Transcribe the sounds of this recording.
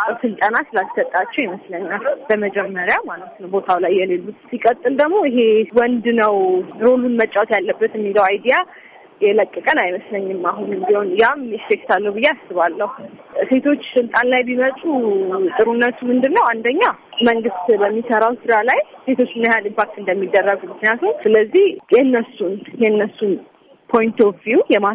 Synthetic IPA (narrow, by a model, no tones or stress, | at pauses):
asɨlt̪ʼanasɨlalsət̪ʼːat͡ʃːɛwjɛməsləɲːahunbəməd͡ʒɛmːəɾjamalət̪nəwbo̞t̪ʰawlajːɛlelːut̪sikʼət̪ʼːɨld̪əɡmo̞iɦewɔnd̪nəwɾolunmət͡ʃʼːawt̪jalːəbːət̪ɛmːiləwajd̪ija | jɛləkʼːɨkʼənajməsləɲːɨmːaɦunɨmbiho̞njamest̪ekt̪alːəhwbɨjeasɨβalːəhuse̞t̪ʰo̞t͡ʃːsɨlt̪ʼanlajbimət̪ʼut̪ʼɨɾunːət̪umɨnd̪ɨɾnːəwand̪əɲːaməŋɡɨst̪bəmːisəɾawsɨdalajse̞t̪ʰo̞t͡ʃːɨnːajalimpʰak̚t̪ɨnd̪əmːid̪ːərːəɡumɨknijat̪ʰəwsɨləzːihjɛɨnːəsːunjɛnːəsːun | pʰo̞jnt̪ʰovvjujɛma